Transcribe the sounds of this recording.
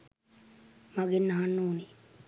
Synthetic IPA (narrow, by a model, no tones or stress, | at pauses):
maɡenːaɦanːuːni